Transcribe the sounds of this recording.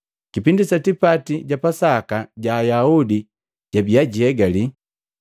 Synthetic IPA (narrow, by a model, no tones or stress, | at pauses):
kipindisatipatiɟapasakaɟaːjaudi | ɟ̥abiaɟiɛɡali